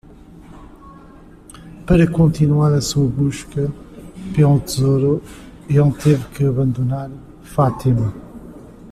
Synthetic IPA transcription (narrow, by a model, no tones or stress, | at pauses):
pɐɾɐkõnt̪inwaɾɐsuɐβuʃkɐpelˠut̪ɨzoɾu | elˠt̪evkɨɐβɐ̃nd̪unaɾ | fat̪imɐ